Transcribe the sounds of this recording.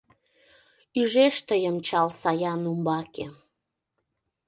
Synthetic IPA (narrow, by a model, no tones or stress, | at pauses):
yʒeʃt̪əjəmt͡ɕɑlsɑjɑnumbɑke